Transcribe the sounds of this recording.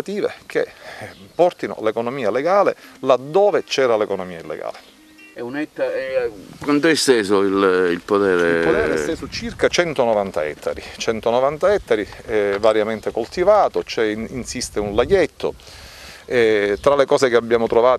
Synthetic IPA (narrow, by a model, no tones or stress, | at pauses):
at̪iːvḛkʰepɔrt̪ino̰lekonomiːaleɡaːlelad̪ːoːvet͡ʃɛːɾalekonomiːailːḛɡa̰ːle | ɛunɛt̪ːaɛkwant̪oɛst̪ɛːzoililpot̪ɛːɾepotɛːɛsst̪eːsot͡ʃirkat͡ʃɛnt̪onovant̪aɛ̰t̪ʰːa̰ɾit͡ʃɛnt̪onovant̪aɛt̪ːaɾiɛvaɾjament̪ekolt̪ivaːt̪ot͡ʃɛinsist̪eunlajet̪ʰːo̰ | ɛt̪ɾalekɔːsekeabːjaːmot̪ɾovaː